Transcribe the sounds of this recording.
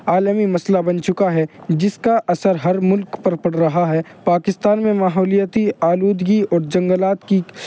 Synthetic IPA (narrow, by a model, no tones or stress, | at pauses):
aːlmimɐslabɐnt͡ʃʊkaɦɛd͡ʒɪskaʔɐsəɾɦɐɾmʊlkpɐɾpɐɽɾɐɦaɦɛːpaːkɪst̪aːnmẽmaːɦɔːlijət̪iaːluːd̪ɡiɔːɾd͡ʒɐ̃ŋɡəlaːt̪ki